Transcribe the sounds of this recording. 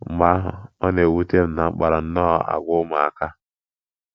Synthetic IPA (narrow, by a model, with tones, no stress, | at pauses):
ba˦ɦɔ˦ne˨wu˦te˦ɾna˨ŋ͡m̩˦k͡pa˨ɾa˨n̩˦nɔ˦a̰˨ɡʷʊ˦ma˨a˨ka˦